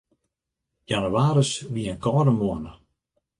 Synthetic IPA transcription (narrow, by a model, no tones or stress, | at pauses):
januwaːɾəsʋiənkʰɔːdəmuənə